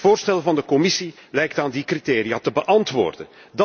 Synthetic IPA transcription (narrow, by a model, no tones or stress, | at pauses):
voːrstɛlvɑndəkɔmɪsilɛjk̚taːndikriteːɾijaːtəbəʔɑntʋo̰ːrdən | dɑ